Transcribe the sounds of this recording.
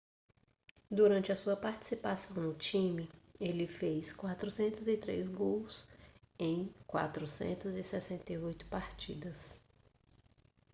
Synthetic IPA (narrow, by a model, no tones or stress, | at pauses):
d̪uɾɐ̃nt͡ʃɪɐsuɐpaɾt͡ʃi̥sipasɐ̃w̃nʊt͡ʃĩmɪelɪfejskwat̪ɾʊsẽnt̪ʊzɪt̪ɾḛzɡows | ẽj̃kwa̰t̪ɾʊsḛ̃nt̪ʊzɪsɛsẽnt̪eojt̪ʊ̥paɾt͡ʃḭd̪ɐs